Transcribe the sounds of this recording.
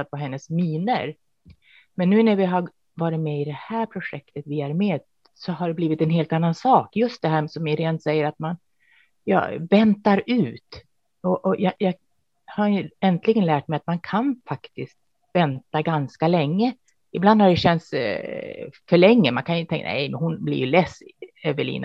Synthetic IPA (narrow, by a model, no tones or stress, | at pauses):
at̪̚vaɦɛnːəsmiːnə̰ɾ | mɛnːʉ̟ːnæɾvɪɦaɾ | vɑːɾɪt̪mɛɪd̪ɛhæːɾpʰɾʊʂɛkt̪ət̪vɪæɾmeːd̪ | sɔɦaɖɛbliːvɪt̪ɛnɦeːlt̪anːansɑːkjɵst̪̚d̪ɛɦæːsɔmɪɾeːnt̪sɛjːəɾat̪man | jɑ̰ːvɛnt̪aɾʉ̟ːt̪ | ɔʔɔjɑjɑːɡ | haɾjɛnt̪lɪɡənlæːʈ̚mɛjat̪mankʰanfakt̪ɪskt̪ | vɛnt̪aɡanskalɛŋːə | ɪbland̪haɖɛɕɛnt̪s | fœɭɛŋːəmankʰanjʏnət̪ʰɛŋnæ̰jmɛ̰nhʊnblḭɾjɵlɛsøːvəɭḭːna̰